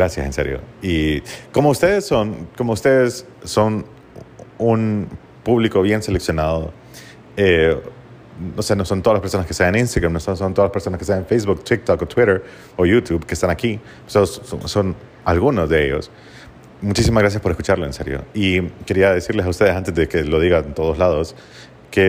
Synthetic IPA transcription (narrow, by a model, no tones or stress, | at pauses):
ɡɾasja̰senseɾjo̰iko̞moust̪eðe̞so̞nko̞mo̞ust̪eðesː | o̞n | un | puβliko̞βje̞nsele̞ksjo̞naðo | e | no̞seno̞sont̪oðlaspeɾsonaskesejaninst̪aɣɾamnosonsont̪olaspeso̞naskesejanfejzβukt̪ik̚t̪okot̪wiɾeɾ | ojut̪juβkest̪anaki | t̪oðoso̰son | alɣuno̞zðeḛʝo̞̰s | mut͡ʃisimazɣɾas̬jaspo̞ɾeskut͡ʃaɾlo̞enseɾjo̞̰ike̞ɾiaðesiɾle̞s̬aust̪eðesant̪ezðeke̞lo̞ðiɣant̪o̞ðo̞zlaðos | ke